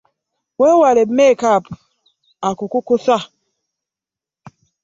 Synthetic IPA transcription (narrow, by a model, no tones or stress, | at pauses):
wewalemekap̚ | akukukusa